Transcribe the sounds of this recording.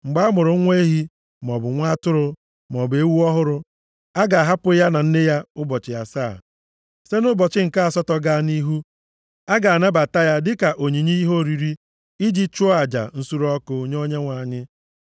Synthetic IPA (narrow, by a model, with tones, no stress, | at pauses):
ŋ͡m̩˨ɡ͡ba˦a˦mʊ˨ɾʊ˨˦ŋʷe˦e˦ɦi˦ | m˨ɔ˨bʊ˨ŋʷa˦tʊ˦ɾʊ˨ | m˨ɔ˨be˦wu˦ɔ˦ɦʊ˦ɾʊ˦ | a˦ɡa˨a˨ɦa˦pʊ˦ja˦na˨n̩˦nɪ˦ja˦ʊ˦bɔ˨t͡ʃɪ˨ja˨saː˦˨ | se˦nʊ˦bɔ˨t͡ʃɪ˦ŋ̩˨ka˦˨sɔ˦tɔ˦ɡa˦ni˦ɦu˦ | a˦ɡa˨a˨na˦ba˨ta˦ja˦dɪ˦ka˨ʔo˨ɲi˨ɲe˦i˦ɦo˦˨ɾi˨ɾi˦ | i˦d͡ʒi˦t͡ʃʊ˦a˨d͡ʒa̰˨n̩˦su˦ɾɔ˦kʊ˨˦ɲ˦o˦ɲe˦ŋʷa˨ɲɪ˦